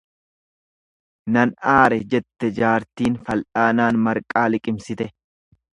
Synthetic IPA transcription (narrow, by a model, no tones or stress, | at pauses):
nɐnaːɾɛd͡ʒɛt̪ːɛd͡ʒaːɾt̪iːnfɐlᶑaːnaːnmɐɾkʼaːlɪkʼɪmsɪt̪ɛ